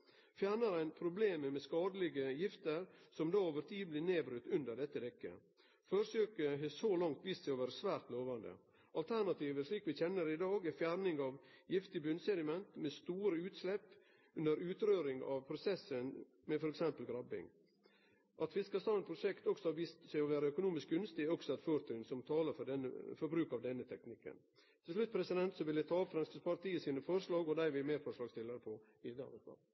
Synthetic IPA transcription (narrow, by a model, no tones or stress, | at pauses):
fjæːɾɳəɾænpʰɾʊbleːməmɛskɑːd̪əlɪɡəjɪft̪əɾsɔmd̪ɑːoːʋəɾt̪ʰiːblɪːneːbɾʉt̪ːʉnd̪əɖɛt̪ːəd̪ɛkːə̰ | føɾsøːkəɦesolɑŋt̪ʰʋiːst̪sɛɔʋæːɾəsʋæːɾt̪loːʋɑnd̪ə̰ | ʔɑlt̪ʰæɳɑt̪ʰiːʋəʂɭiːkʋɪçɛnːəɾɪd̪ɑːɡfjæɾnɪŋɑʋjɪft̪ɪbʉnsɛd̪ɪmɛnt̪mɛst̪uːɾəʉːt̪slɛpː | ʉnd̪əɾʉːt̪ɾøːɾɪŋɑ̰ʋpʰɾʊsɛsːən | mɛfɔɾɛksɛmpəlɡɾɑbɪ̰ŋ | ʔɑt̪fɪskɑst̪ɑːnpʰɾʊʂɛkt̪ɔksɔhɑʋiːst̪sæɪɔʋæːɾəœkʊnuːmɪsk̚ɡʉnst̪ɪɔksɔɑt̪føːɾt̪ʰœnsɔmt̪ʰɑːləɾfɔɖɛnːə̰fɔɾbɾʉːkɑʋd̪ɛnːət̪ʰɛknɪkːə̰n | t̪ʰɪlslʉt̪̚pʰɾɛsɪd̪ɛnt̪sɔʋɪlæt̪ʰɑːfɾɑnskəspʰɑɾt̪ʰiːəsiːnəfɔɾʂlɑːɡɔd̪æɪʋɪmeːɾfɔɾʂlɑːɡst̪ɪləɾpʰɔ | ɪd̪ɑ̰ɾəpɑ̰